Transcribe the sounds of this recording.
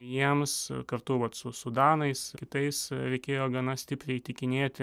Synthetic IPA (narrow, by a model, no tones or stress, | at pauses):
jiɛmskɐrt̪ʊʋɐt̪sʊsʊd̪ɑːnɐɪskʲɪt̪ɐɪsɾʲɛɪkʲeːjoːɡɐnɐsʲt̪ʲɪpʲɾʲɛɪt̪ʲɪkʲɪnʲeːt̪ʲ